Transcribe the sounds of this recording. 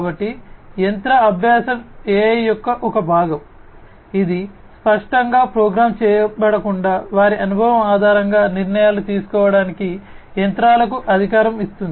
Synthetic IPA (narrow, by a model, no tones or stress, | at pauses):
abɐʈːijɐnt̪ɾɐɐbʱjaːsɐmeːjɔkːɐʔɔkɐbʱaːɡɐm | id̪i | spɐʂʈɐŋɡaːpɾɔːɡɾaːmt͡ʃɛːjɐbɐɽɐkuɳɖaːʋaːɾiʔɐnubʱɐʋɐmaːd̪ʱaːɾɐŋɡaːniɾɳɐjaːlut̪iːsu̥kɔːʋɐɽaːniki | jɐnt̪ɾaːlɐkuʔɐd̪ʱikaːɾɐmist̪und̪i